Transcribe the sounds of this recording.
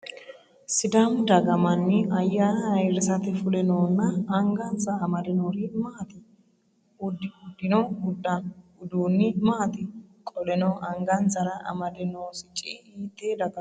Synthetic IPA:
sɪd̪ɐmd̪ɐɡɐmɐnːɪɐjːaːɐɾɪsɐt̪ɛfʊlɛnoːnːɐːŋɡɐnt͡sʼɐːmɐd̪ɛnoːɾɪmɐːt̪ɪ | ʊd̪ʊd̪ːɪnɔɡʊd̪ɐnʊd̪uːnːɪmɐːt̪ɪkʼɔlɛnɔʔɐŋɡɐnt͡sːɐɾɐʔɐ̰mɐd̪ɛnoːsɪt͡ʃʼɪhiːt̪ːeːd̪ɐɡɐ

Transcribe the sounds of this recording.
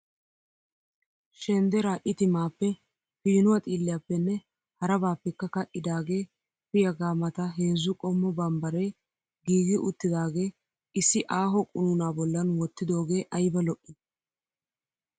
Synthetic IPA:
ʃɛnd̪ɛɾaːʔɪt̪ɪmaːpːɛ | fiːnʊwɐt̪ʼiːlːɪjaːpːɛnːɛ | hɐɾɐbaːpːɛkːɐkɐʔɪd̪aːɡe̞ː | fɪjɐɡaːmɐt̪ɐɦe̞ːzːʊkʼɔmːɔbɐmbɐɾɛj | ɡiːɡɪʔʊt̪ːɪd̪aːɡe̞ː | ɪsːɪʔaːɦɔkʼʊnʊnaːbɔlːɐnwɔt̪ːɪd̪o̞ːɡe̞ːʔɐjbɐlɔʔːɪ

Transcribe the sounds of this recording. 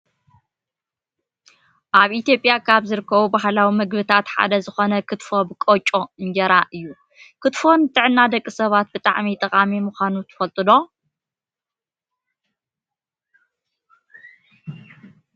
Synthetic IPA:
ʔaβʔit̪jo̞pʼjakʰaβzɨɾɨkʰːɐβubaɦlawimɨɡbɨt̪ʰat̪ħa̰d̪ɐzɨxo̞nɐkʰɨt̪fo̞bɨkʼot͡ʃʼo̞ɨnɡɐɾaʔɨjːu | kʰɨt̪fo̞nt̪ʼɨʕɨnːad̪ɐkʼːɨsɐβat̪̚bɨt̪ʼa̰ʕmit̪ʼɨkʼamimuxʷanut̪ʰɨ̥fɐlt̪ʼɨlo̞

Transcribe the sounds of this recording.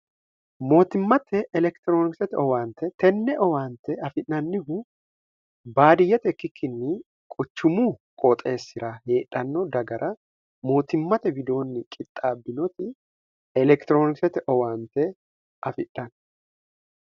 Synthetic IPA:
mo̞ːt̪ɪmːɐt̪ʰɛʔɛlɛkt̪ɪɾoːnɪksɛt̪ɛɔwaːnt̪ɛt̪ɛnːɛʔɔwaːnt̪ɛɐfɪʔnɐnːɪɦʊ | baːd̪ɪjːɛt̪ɛkːɪkʰːɪnːɪ | kʼʊt͡ʃːʊmuːkʼot̪ʼe̞ːsːɪɾɐhe̞ːᶑːɐnːɔd̪ɐɡɐɾʔɐ | mo̞ːt̪ɪmːɐt̪ɛbɪd̪o̞ːnːɪkʼɪt̪ʼːaːbːɪnɔt̪ɪ | ɛlɛkt̪ɪɾo̞ːnɪksɛt̪ɛʔɔwaːnt̪ɛ | ɐfɪʔːɐn

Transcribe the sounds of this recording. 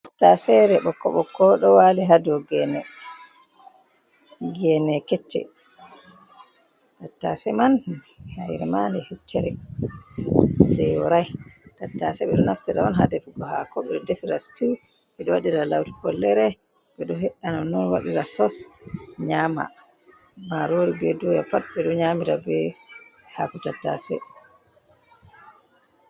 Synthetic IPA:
atːasɛɾɛɓɔkːɔɓɔkːɔɗɔwaliɦadɔɡɛnɛ | ɡɛnɛkɛt͡ʃːɛ̰ | tatːasɛman | hajɾɛmandɛhɛt͡ʃːɛɾɛ | dɛjɔɾajtatːasɛɓɛɗɔnaftɛɾaɔnɦadɛfɡɔɦakɔɓɛɗɔdefiɾastʰiw | ɓɛɗɔwaɗiɾalawti̥fɔlːɛɾɛ | ɓɛɗɔɦɛɗːanɔnːɔnwaɗiɾasɔsɲama̰ | maɾoɾibɛdujapat̚bɛɗɔɲamiɾabɛ | hakutatːa̰sɛ̰

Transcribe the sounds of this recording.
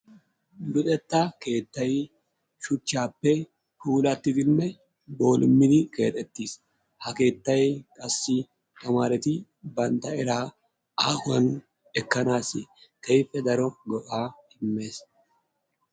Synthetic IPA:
lʊt̪ʼɛt̪ːɐke̞ːt̪ːɐj | ʃʊt͡ʃːaːpːɛ | huːlɐt̪ːɪd̪ɪnːɛ | bo̞ːlʔɪmːɪd̪ɪke̞̰ːt̪ʼɛt̪ːiːs | hɐke̞ːt̪ːɐjkʼɐsːɪ | t̪ʼɐmaːɾɛt̪ɪ | bɐnt̪ːɐɛɾaː | aːhʊɐn | ɛkːɐnaːsɪt̪ʰɐjfːɛd̪ɐɾɔɡɔʔaːhɪmːe̞ːs

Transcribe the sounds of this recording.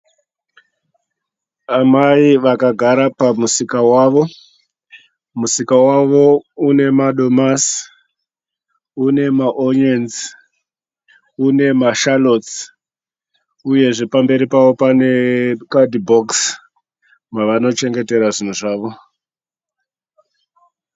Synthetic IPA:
amaiʋakaɡʱaɾapamusikawaʋo̞ | musikawaʋo̞une̞maɗo̞mas | une̞maʔonenz | une̞maʃalo̞s | uje̞ʐe̞pambe̞ɾipaʋo̞pane̞kadibʱoks | maʋano̞t͡ʃe̞ŋɡe̞te̞ɾaʐin̤uʐaːʋo̞

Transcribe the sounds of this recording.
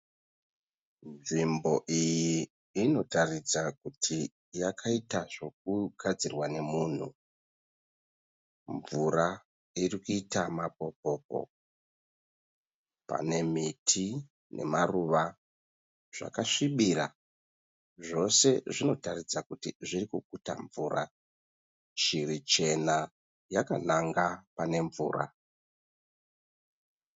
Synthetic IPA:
nʐimbo̞ʔijiː | no̞tarid͡zak̚utʰi | jakʰaitaʐo̞k̚uɡʱad͡zirwane̞muːn̤u | ɱvura | irikuitamapo̞p̚o̞ːpo̞̰ | pa̰ne̞mitʰi | nʔe̞̰maruʋa | ʐ̥a̰kaʂiɓira | ʐo̞se̞ʐino̞tarid͡zakutiʐirikuk̚uta̰ɱvuːra̰ | t͡ʃiɾit͡ʃe̞na | jakanaŋɡapane̞ɱvṵːra̰

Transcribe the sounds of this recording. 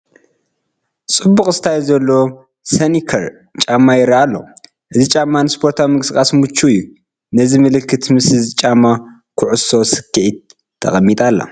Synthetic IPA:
t͡sʼɨbːuxʼɨst̪ʰajzɐlːo̞ | sɐnikʰɐɾ | t͡ʃʼamːajɪɾaalːo̞̰ | ʔɨzit͡ʃʼamːanɨspʰo̞ɾt̪ʰawimɨkʼɨskʼasmut͡ʃʰːujːu | nɐzimɨlɨkʰːɨt̪mɨsɨzit͡ʃʼamːa | kʰʊʕʊsosɨ̥kːɨʕit̪̚ʰː | ɐ̰xʼɐmːit̪ʼalːa̰

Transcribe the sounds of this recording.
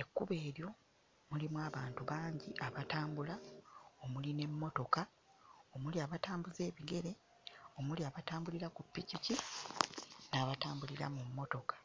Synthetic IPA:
e̞kːuβe̞ːɾjo̞ | mulimwaːβaːntuβaːɲɟiʔaβataːmbulao̞muline̞mːo̞to̞ka | o̞muliaβataːmbuze̞ːβiɡe̞ɾe̞ | o̞muliaβataːmbuliɾakupːicici | naːβataːmbuliɾa̰mumːo̞to̞kḁ

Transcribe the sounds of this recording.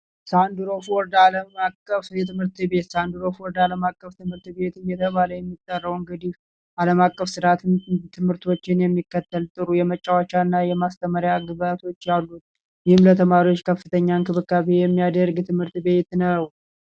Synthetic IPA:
sand̪uɾo̞foɾd̪aləmakʼːəfjɛt̪ʰɨmhɨɾt̪ɨbe̞t̪sand̪uɾo̞foɾd̪aləmakʼːəft̪ʰɨmhɨɾt̪be̞t̪ɨjɛt̪ʰəβaləjɛmːit̪ʼːərːəwŋɡəd̪if | ʔaləmakʼːəfsɨɾat̪ʰnt̪ʰɨmhɨɾt̪ʰo̞t͡ʃːɪnjɛmːikːət̪ʰːəlt̪ʼɨɾujɛmət͡ʃʼːawat͡ʃːanːajɛmast̪ʰəməɾjaɡɨβat̪ʰo̞t͡ʃːjalːut̪̚ | jɪhɨmlət̪ʰəmaɾiwot͡ʃːkʰəfːɨt̪ʰəɲːankʰɨβɨkʼːaβejɛmːijad̪əɾɡt̪ʰɨmhɨɾt̪be̞t̪nəw

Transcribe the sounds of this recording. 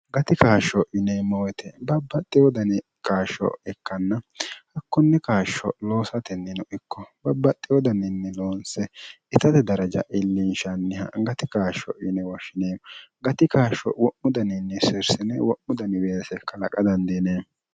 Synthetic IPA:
ɡɐt̪ɪkaːʃɔʔɪneːmːɔwɛt̪ʰɛbɐbːɐt̪ʼːɪjɔd̪ɐnɪ | kʼaːʃɔ̰ɛkːɐnːɐhɐkːɔnːɛkaːʃːɔ̰lo̞ːsɐt̪ɛnːɪnɔʔɪkːɔbɐbːɐt̪ʼːɪjɔd̪ɐnɪnːɛloːnsɛ | ɪt̪ɐt̪ɛd̪ɐɾɐd͡ʒɐ̰ʔɪlːɪnʃɐnːɛhɐ̰ɡɐt̪ɪkaːʃɔ̰ʔɪnɛwɔʃɪneːmɡɐt̪ɪkaːʃɔ̰wɔʔʊd̪ɐnɪnːɛsɪɾsɪnɛwɔʔːʊd̪ɐnɪweːsɛkːɐlɐkʼɐd̪ɐnd̪eːneː

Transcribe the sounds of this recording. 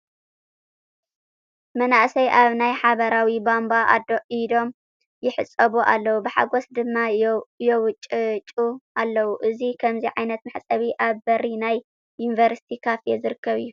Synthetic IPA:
mɐnaʔsɐjʔaβnajħaβɐɾawibambaʔa̰d̪oʔid̪o̞m | jɪħɨt͡sʼːɐβuʔa̰lːɐwubɨħa̰ɡosd̪ɨmːajɛwʊt͡ʃʼːɨt͡ʃʼuʔalːɐwuʔɨzikʰɐmziʕajnɐt̪maħt͡sʼɐβiʔaβbɐrinaj | junivɐɾsi̥t̪ʰikʰafjɛzɨɾɨkːɐβɨjːu

